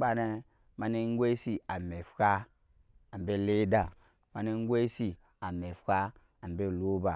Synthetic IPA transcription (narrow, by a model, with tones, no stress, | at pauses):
ba˨ne˦ | ma˦ne˦ŋ˦ɡʷe˦si˨a˨me˨fka˦ | a˨m˨be˦˨le˦da˨ | ma˨ne˦ŋ˦ɡʷe˦si˨ | a˨me˨fka˦ | a˨m˨be˦˨lo˦ba˨